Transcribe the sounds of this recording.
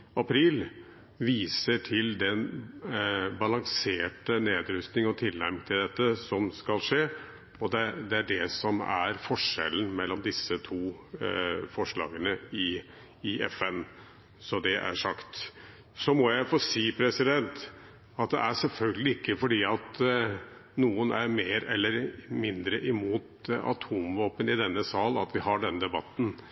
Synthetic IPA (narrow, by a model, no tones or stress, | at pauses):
ɑpʰɾiːl | ʋiːsəʈʰɪld̪ɛn | bɑlɑŋseːʈəneːd̪ɾʏst̪nɪŋɔt̪ʰɪlːæɾmt̪ʰɪld̪ɛt̪ːəsɔmskɑlʂeː | ɔd̪ɛd̪ɛæɖɛsɔmæ̰ɾfɔʂɛ̰lənmɛlːɔmd̪ɪsət̪ʰuː | fɔʂɭɑ̰ːɡənəɪ | ɪʔɛ̰fɛn | sɔd̪ɛʔæ̰ʂɑkt̪ | sɔmɔjæɪfoːsiːpʰɾɛsɪd̪ɛnt̪ | ɑt̪̚d̪ɛ̰ʔæʂɛlfœlɡəlɪɪkːəfɔɖiːɑt̪ | nuːənæɾmeːɾɛlːəɾmɪnd̪ɾəʔɪmuːt̪ɑ̰t̪ʰuːmʋoːpənɪd̪ɛnːəsɑːlɑ̰t̪ʰʋɪɦɑɖɛnd̪ɛbɑt̪ːn̩